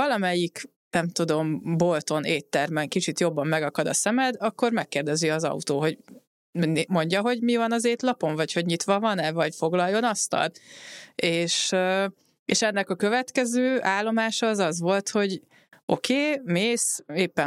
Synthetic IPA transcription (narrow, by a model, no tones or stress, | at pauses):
ɒlɒmɛjik | nɛmt̪ud̪o̞mbo̞lt̪o̞neːt̪ːɛrmɛŋkit͡ʃit̪jo̞bːɒmːɛɡɒkɒd̪ɒsɛmɛd̪ɒkːo̞rmɛkːeːrd̪ɛziɒzɒ̰ut̪oːɦo̞ɟ̪ | mo̞ɲɟɒɦo̞ɟmivɒnɒzeːt̪lɒpo̞ɱvɒcho̞ɟɲit̪ʋɒvɒnɛvɒɟfoɡlɒjːo̞nɒst̪ɒ̰l | eːʃ | ḛʃɛnːɛkɒkø̞vɛt̪kɛzøːaːlːo̞maːʃɒːzɒzʋo̞lt̪ho̞ɟ | o̞̰keːmeːseːpːɛ